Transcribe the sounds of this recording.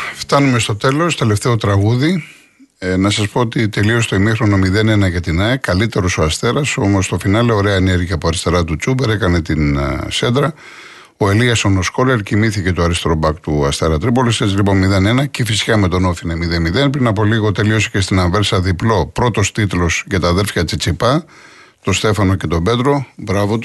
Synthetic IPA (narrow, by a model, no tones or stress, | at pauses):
ft̪ɐnume̞st̪o̞t̪e̞lo̞st̪eleft̪e̞o̞t̪ɾɐɣuði | nɐsɐspo̞ot̪it̪e̞lio̞st̪oimixɾo̞no̞miðe̞ne̞nɐcɐt̪inɐikɐlit̪e̞ɾo̞so̞ɐst̪e̞ɾɐso̞mo̞st̪o̞finɐleoɾeɐeneɾʝɐpoɐɾist̪e̞ɾɐt̪ut͡subeɾe̞kɐne̞t̪inse̞d̪ɾɐ | o̞e̞liɐsono̞sko̞ɾeɾcimiθice̞t̪oɐɾist̪ɾo̞bɐkt̪uɐst̪e̞ɾɐt̪ɾipoliset͡silipo̞nmiðe̞nenɐcefisi̥kɐme̞t̪o̞nofinɐmiðemiðe̞npɾinɐpo̞liɣo̞t̪e̞lio̞se̥ce̞st̪inɐɱve̞ɾsɐðiplo̞pɾo̞t̪o̞st̪it̪lo̞sʝɐt̪ɐːðe̞lfçɐt͡sit͡sipɐ | t̪o̞st̪e̞fɐno̞ce̞t̪o̞be̞t̪ɾo̞bɾɐvot̪u